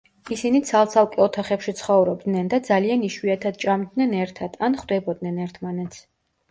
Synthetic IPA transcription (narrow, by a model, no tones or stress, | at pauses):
isinit̪sʰalˠt̪sʰalˠkʼɛɔt̪ʰaχɛpʃit̪sʰχɔvɾɔbd̪nɛnd̪ad̪zalianiʃwiat̪ʰad̪̥t͡ʃʼamd̪nɛnɛɾt̪ʰat̪ʰanχwd̪ɛbɔd̪nɛnɛɾt̪ʰmanɛt̪sʰ